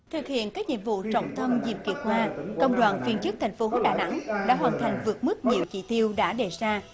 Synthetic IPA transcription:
t̪ʰɨ˨˩k̚hḭ˧˨ənkaː˦˥k̚ɲḭ˧˨əmvṵ˧˨t͡ɕɔ̰˧˨wŋ͡mt̪ʰə˧mzḭ˧˩mki˨˩ət̚hwaː˧kə̰˧˨wŋ͡mɗwa̰ː˧˨nfi˧ənt͡ɕɨ˦˥k̚t̪ʰa˨˩ŋ̟fo˨˦ho˦˥t̚ɗaː˨˩na̰˧˥ŋɗa̰ː˧˥ɦwaː˨˩nt̪ʰa˨˩jŋ̟vɨ˨˩ək̚mɨ˦˥k̚ɲi˨əwt͡ɕḭ˧˩t̪i˧əwɗa̰ː˧˥ɗe˨˩zaː˧

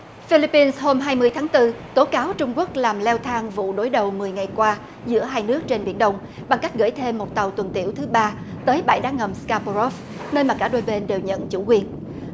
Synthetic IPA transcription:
fi˧li˦˥pːi˧nsho˧mɦaː˧jmɨ˧əjt̪ʰaː˨˦ŋt̪ɨ˧t̪o˨˦kaː˨˦wt͡ɕʊ˧ŋ͡mku˦˥ək̚laː˨˩mlɛ˧wt̪ʰaː˧ŋvṵ˧˨ɗo˨˦jɗə˨˩wmɨ˨˩əjŋa˨˩jkwaː˧ | zɨ̰˧˥əɦaː˧jnɨ˦˥ək̚t͡ɕe˧nɓḭ˧˩ənɗə˧wŋ͡m | ɓa˨˩ŋka˦˥jk̟̚ɣə̰˧˩jt̪ʰe˧mːo˨˩t̚t̪a˨˩wt̪wə˨˩nt̪ḭ˧˩əwt̪ʰɨ˨˦ɓaː˧ | t̪əː˨˦jɓa̰˧˩jɗaː˨˦ŋə˨˩mskaː˧po˧ɔ˦˥f | nə˧nmaː˨˩kaː˧˩ɗo˧jɓe˧nɗe˨˩wɲə̰˧˨nt͡ɕṵ˧˩kwi˨˩ən

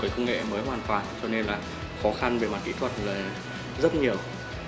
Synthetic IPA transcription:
əː˨˦jkə˧wŋ͡mŋḛ˧˨məː˨˦jɦwaː˨˩nkwaː˨˩nt͡ɕɔ˧ne˧nlaː˨˩ | xɔ˨˦xa˧nve˨˩ma˨˩t̚kḭ˧˥t̪ʰwə˨˩t̚laː˨˩ | zə˦˥t̚ɲi˨˩əw

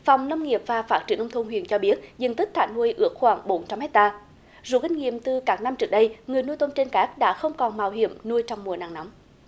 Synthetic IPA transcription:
fɔ˨˩wŋ͡mnə˧wŋ͡mŋi˨˩əp̚vaː˨˩faː˦˥t̚t͡ɕi˧˩ənʔə˧wŋ͡mt̪ʰu˧ŋ͡mhwḭ˧˨ənt͡ɕɔ˧ɓi˦˥ət̚zɨ̰˨˩ŋt̪i˦˥k̚t̪ʰa̰ː˧˩nhu˧jʔɨ˦˥ək̚xwaː˧˩ŋɓo˨˦nt͡ɕa˧mhɛ˦˥k̚t̪aː˧ | zṵ˧˥kï˧ŋ̟ŋḭ˧˨əmt̪ɨ˨˩kaː˦˥k̚na˧mt͡ɕɨ˦˥ək̚ɗə˧jŋɨ˨˩əjnu˧jt̪o˧nt͡ɕe˧nkaː˦˥k̚ɗa̰ː˧˥xə˧wŋ͡mkɔ˨˩nmaː˨˩wɦḭ˧˩˨əmnu˧jt͡ɕɔ˧wŋ͡mmu˨˩əna̰ː˧˨ŋna˨˦m

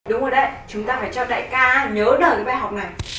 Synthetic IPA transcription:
ɗʊ˨˦ŋ͡mzo˨˩ɗə˨˧˦jt͡ɕʊ˨˦ŋ͡mt̪aː˧faː˧˩jt͡ɕɔ˧ɗa̰ː˧˨kaː˧ɲəː˨˦ɗəː˨˩jkaː˨˦ɓaː˧˩jɦa˨˩wk͡p̚na˨˩j

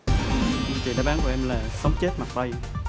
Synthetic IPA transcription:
t͡ɕḭ˨˩ɗa̰ː˧˦ɓaː˨˦nku˧˩˦ʔɛ˧mlaː˨˩sə˨˦wŋ͡mt͡ɕe˦˥t̚ma˨˩t̪a˧j

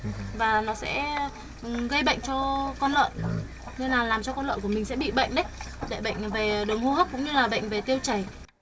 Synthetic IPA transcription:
vaː˨˩nɔ˨˦sɛ̰˧˥˨ | ɣə˧jɓə̰˧˨jŋ̟t͡ɕɔ˧kɔ˧nlə̰ː˧˨n | ne˧laː˨˩laː˨˩mt͡ɕɔ˧kɔ˧nlə̰˧˨nku˧˩əmï̟˨˩sɛ̰˧˥ɓḭ˧˨ɓə̰˧˨jŋ̟ɗə˨˦j | ɗe˧˩ɓə̰˧˨jŋ̟ve˨˩ɗə˨˩wŋ͡mhu˧hə˦˥p̚kʊ̰˧˥ŋ͡mɲɨ˧laː˨˩ɓə̰˧˨ŋ̟ve˨˩t̪i˧əwt͡ɕə˨˩j

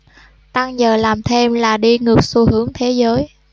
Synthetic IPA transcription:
t̪a˧ŋzəː˨˩laː˨˩mt̪ʰe˧mlaː˨˩ɗi˧ŋɨ˨˩ək̚su˧hɨ˨˦əŋt̪ʰe˨˦zəː˨˦j

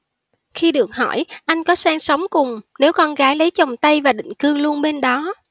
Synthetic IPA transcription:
xi˧ɗɨ˨˩ək̚hɔ̰˧˩jʔa˧jŋ̟kɔ˨˦saː˧ŋsə˨˦wŋ͡mkʊ˨˩ŋ͡mne˨˦wkɔ˧nɣaː˨˦jlə˨˦jt͡ɕə˨˩wŋ͡mt̪ə˧jvaː˨˩ɗḭ̈˧˨ŋ̟kɨ˧əŋlu˧ənɓe˧nɗɔ˨˦

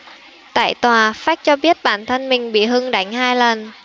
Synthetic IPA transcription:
t̪a̰ː˧˨jt̪waː˨˩faː˦˥t̚t͡ɕɔ˧ɓi˦˥ət̚ɓa̰ː˧˨nt̪ʰə˧nmï˨˩ŋ̟ɓḭ˧˨ɦɨ˧ŋɗa˧˩ŋ̟haː˧jlə˨˩n

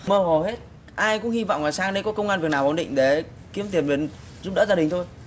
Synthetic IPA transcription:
məː˧ɦo˨˩ɦe˦˥t̚ | ʔaː˧jkʊ̰˧˥ŋhi˧vɔ̰˧˨wŋ͡mlaː˨˩saː˧ŋɗə˧jkɔ˨˦kə˧wŋaː˧nvi˨˩ək̚naː˨˩wʔnɗḭ˧˨ŋ̟ɗe˨˩ | ki˨˦əmt̪ʰi˨˩ənɓe˨˦n | zu˦˥p̚ɗə̰ː˧˥zaː˧ɗï˨˩ŋ̟t̪ʰo˧j

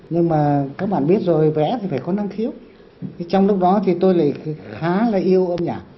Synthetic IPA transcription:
ɲɨ˧ŋmaː˨˩kaː˦˥k̚ɓa̰ː˧˨nɓi˦˥ət̚zo˨˩jvɛ̰˧˥t̪ʰi˨˩faː˧˩jkɔ˨˦na˧mxi˨˦əw | t̪ʰe˨˦t͡ɕɔ˧wŋ͡mlʊ˦˥k͡p̚ɗɔ˨˦t̪ʰi˨˩t̪o˧jla̰ː˧˨jxaː˨˦laː˨˩ʔi˧əwʔə˧mɲaː˧˩

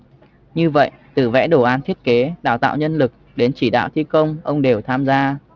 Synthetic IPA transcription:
ɲɨ˧və̰˧˨jʔt̪ɨ˨˩vɛ̰˧˥ɗo˧˩ʔaː˨˦nt̪ʰi˦˥t̚ke˨˦ɗa̰ː˧˩wt̪a̰ː˧˨wɲə˧nlɨ˨˩k̚ɗe˨˦nt͡ɕi˧˩ɗa̰ː˧˨wt̪ʰi˧kə˧wŋ͡mʔə˧wŋ͡mɗe˨˩wt̪ʰaː˧mzaː˧

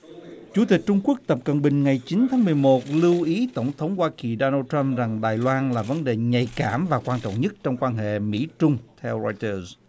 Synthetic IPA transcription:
t͡ɕu˧˩˦t̪i˨˩k̟̚t͡ɕʊ˧ŋ͡mku˦˥ək̚t̪ə˨˩p̚kə˨˩nɓï˨˩ŋ̟ŋa˨˩jt͡ɕi˨˦nt̪ʰaː˨˦mɨ˨˩əjmo˨˩t̚lɨ˧wʔi˨˦t̪ə˧˩wŋ͡mt̪ʰə˨˦wŋ͡mhwaː˧ki˨˩ɗo˧naː˧t̪a˧mza˨˩ŋɗaː˨˩jlwaː˧nlaː˨˩və˨˦nɗe˨˩ɲa˨˩jkaː˧˩mvaː˨˩kwaː˧nt͡ɕɔ̰˧˨wŋ͡mɲə˦˥t̚t͡ɕɔ˧wŋ͡mkwaː˧nɦḛ˧˨mḭ˧˥t͡ɕʊ˧ŋ͡mt̪ʰɛ˧wza˧jt̪əː˧z

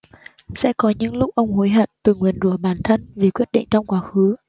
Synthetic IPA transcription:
sɛ̰˧˥kɔ˨˦ɲɨ̰˧˥ŋlʊ˦˥k͡p̚ʔə˧wŋ͡mho˨˦jɦə˧˩t̚t̪ɨ˨˩ŋwi˨˩ənzu˧˩ɓaː˧˩nt̪ʰə˧nvi˨˩kwi˦˥ət̚ɗḭ˧˨ŋ̟t͡ɕɔ˧wŋ͡mkwaː˨˦xɨ˨˦

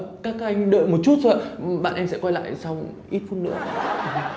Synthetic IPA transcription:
kaː˦˥k̚a˧jŋ̟ɗə̰ː˧˨jmo˨˩t̚t͡ɕu˦˥t̚səː˧˨ɓa̰ː˧˨nʔɛ˧msɛ̰˧˥kwa˧jla̰ː˧˨jsa˧wʔi˦˥t̚fu˧˥nːɨ̰˧˥ə˨˧

